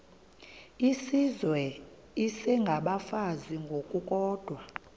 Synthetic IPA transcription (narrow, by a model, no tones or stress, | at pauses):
isizwɛ | isɛŋɡʱaɓafaziŋɡʱokʼukʼɔːd̥ʱwa